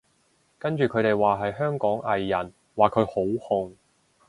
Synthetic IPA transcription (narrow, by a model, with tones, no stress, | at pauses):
kɐ˥nt͡ʃyː˨kʰɵ˨˧ɥt̪e˨jwaː˨ɦɐ˨jɦœː˥ŋkɔː˨˥ŋɐ˨jːɐ˨˩n | waː˨kʰɵ˨˧ɥho˨˥whʊ˨ŋ